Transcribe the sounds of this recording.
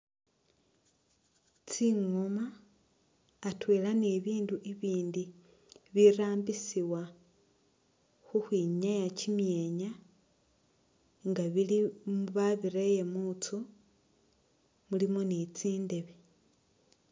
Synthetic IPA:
t͡siŋoma | twe̞ːlaneβiːnduʔiβiːndi | βiɾaːmbisiwa | xuxwiːɲajacimje̞ɲa | ŋɡaβilimuβaβiɾeje̞mut͡so | mulimonit͡siːnde̞βe

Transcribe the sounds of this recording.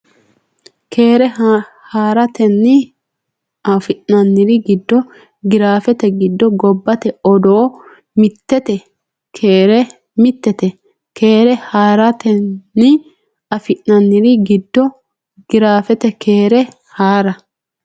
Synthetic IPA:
kʰeːɾɛ | haːɾɐt̪ɛnːɪ | afɪʔnɐnːɪɾɪɡɪd̪ːɔ | ɡɪɾaːfɛt̪ɛɡɪd̪ːɔɡɔbːɐt̪ɛɔd̪oː | mɪt̪ːɛt̪ɛ | kʰeːɾɛ | mɪt̪ːɛt̪ɛ | kʰeːɾɛhaːɾɐt̪ɛːɪ | ɐfɪʔɐnːɪɾɪɡɪd̪ːɔ | ɡ̥ɪɾaːfɛt̪ɛkʰe̞ːɾɛ | haːɾɐ

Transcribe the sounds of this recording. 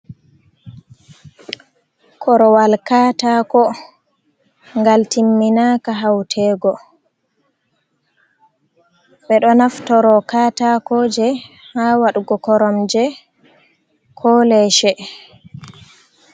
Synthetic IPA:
kʰɔɾɔwalkaːtakɔ | ŋɡaltimːinaːkaɦawtʰɛːɡɔ | ɓɛɗɔnaftɔɾɔkaːtakɔd͡ʒɛ | hawaɗuɡɔkɔɾɔmd͡ʒɛ | kʰɔːlɛʃɛ

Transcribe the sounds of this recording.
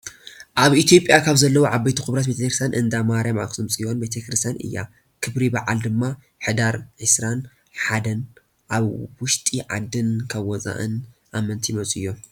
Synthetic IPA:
ʔaβit̪ʰjo̞pʼjakʰaβzɐlːɐwoʕabɐjt̪ʰuxɨβɾat̪bet̪ʰekɾɨst̪ʰjanʔɨnd̪amaɾjama̰kʼsɨmt͡sʼiwonbet̪ʰɐkɾɨst̪ʰjanɨ̰jːa̰ | kʰɨβɾibɐʕald̪ɨmːa | ħɨd̪aɾʕɨsɾan | ħad̪ɐn | ʔaβwʊʃt̪ʼiʕa̰d̪ːɨnkʰɐβːɔt͡sʼa̰ʔɨ̰nʔamɐnt̪ʰimɐt͡sʼɨjːo

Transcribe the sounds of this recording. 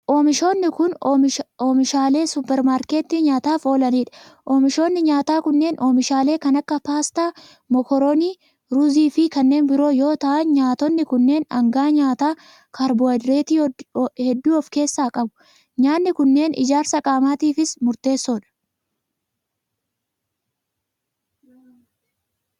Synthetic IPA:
ʔoːmɪʃoːnːɪkʊnoːmɪʃaːle̞ːsʊpːɛɾmaːɾke̞ːt̪ːiɲaːt̪aːfo̞ːlɐniːᶑɐ̥ʔoːmɪʃo̞ːnːɪɲaːt̪aːkʊnːe̞ːnʔoːmɪʃaːle̞ːkɐnɐkːɐpaːst̪aː | mɔkɔɾoːniː | ɾʊziːfɪkɐnːe̞ːnbɪɾo̞ːjo̞ːt̪ɐʔɐnɲaːt̪ɔnːɪkʊnːe̞ːnɐ̰ŋɡaːɲaːt̪aː | kʰɐɾbɔɐd̪ɾe̞ːt̪ihɛd̪ːuːɔfke̞ːsːaːkʼɐbʊ̥ | ɲaːnːɪkʊnːe̞ːnɪ̰d͡ʒaːɾsɐkʼaːmaːt̪iːfɪsmʊɾt̪e̞ːsːɔᶑɐ̥

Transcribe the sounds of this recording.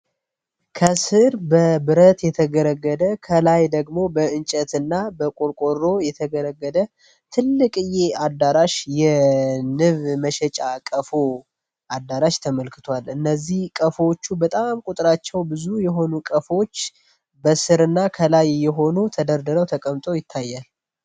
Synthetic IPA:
kʰəsɨɾbəbɨɾət̪jɛt̪ʰəɡəɾəɡːəd̪əkʰəlajd̪əɡmo̞bəɨnt͡ʃʼət̪ɨnːabəkʼoɾkʼo̞ro̞jɛt̪ʰəɡəɾəɡːəd̪ə | t̪ʰɨlːɨkʼɨjead̪ːaɾaʃjɛnɨβməʃɛt͡ʃʼakʼəfo | ʔad̪ːaɾaʃt̪ʰəməlkʰɨ̥t̪ʰwalɨnːəzːihkʼəfot͡ʃːubət̪ʼamkʼut̪ʼɾat͡ʃːɛwbɨzujɛɦo̞nukʼəfo̞t͡ʃː | bəsɨɾɨnːakʰəlajːɛɦo̞nut̪ʰəd̪əɾd̪əɾəwt̪ʰəkʼəmt̪ʼo̞jɪt̪ʰːajːal

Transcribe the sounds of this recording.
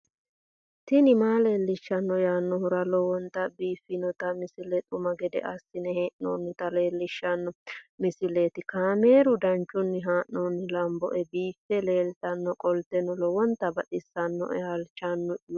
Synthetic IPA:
t̪ɪnɪmaːleːlːɪʃːɐnːɔjaːnːɔhʊɾɐlɔwɔnt̪ɐbiːfːɪnɔt̪ɐmɪsɪlɛt̪ʼʊmɐɡɛd̪ɛ̰ʔɐsːɪnɛheːʔno̰ːnːɪt̪ɐle̞ːlːɪʃːɐnːɔmɪsɪlet̪ɪkaːmeːɾʊd̪ɐnt͡ʃʼːʊnːɪɦaːʔnoːnːɪlɐmbɔ̰ʔɛbiːfːɛle̞ːlt̪ʼɐnːɔkʼɔlt̪ɛnɔlɔwɔnt̪ɐbɐɗɪsːɐnːɔ̰ʔɐlt͡ʃːanːɔj

